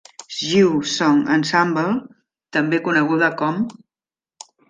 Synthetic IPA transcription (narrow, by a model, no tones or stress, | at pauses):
ʒiwsɔŋə̰nsambəlˠ | t̪əmbekunəɣ̞uðəkɔm